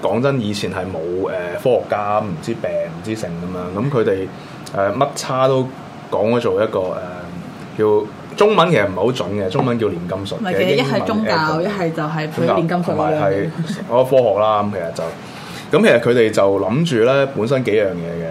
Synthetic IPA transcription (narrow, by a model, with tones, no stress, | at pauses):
kɔː˨˥ŋt͡sɐ˥njiː˨˧t͡sʰiː˨˩nɦɐ˨jmo˨˧wɛː˨fɔː˥hɔː˨˩kːaː˥m̩˨˩t͡siː˥pɛː˨ŋm̩˨˩t͡siː˥sɪ˨ŋkɐ˨˦mjɐː˨˧˥ŋkɐ˨˥mkʰɵ˨˧t̪e˨j | ʔɛː˨mɐ˥t̚t͡sʰaː˥t̪o˥w | kɔː˨˥ŋhɔ˨˥t͡ʃo˨wjɐ˥t̚kɔː˧ʔɛː˨ | kiː˧w | t͡sʊ˥ŋmɐ˨˥nkʰe˨˩sɐ˩m̩˨˩ho˨˥t͡sɵ̰˨˥nkɛ˧t͡sʊ˥ŋmɐ˨nk̬i˧wliː˨˩nkɐ˥msʊ˨t̚kɛ˨˩jhɐ˨˩m˨ʊ˥ŋkaː˧wjɐ˥t̚ɦɐ˨jt͡sɐ˨wɦɐ˨jʰka˧i˨˩nkɐ˥mʰ˨˩maː˨jɐ˨˩ɔ˥fɔː˥hɔː˨˩k̚laː˥kɐ˨˧˥mkʰe˨˩sɐ˨˩t̚t͡sɐ˨w | kɐ˥mkʰe˨˩sɐ˨t̚kʰɵ˨˧t̪e˨jt͡sɐ˨wlɐ˨˥mt͡ʃyː˨lɛː˥puː˨˥nsɐ˥nke˨˥jjœː˨˩ŋjɛ̰ː˨˧ɡɛ˧